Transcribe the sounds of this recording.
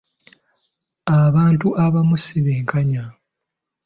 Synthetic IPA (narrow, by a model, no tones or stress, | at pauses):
aβaːntuʔaβamusiβeːŋkʰaɲa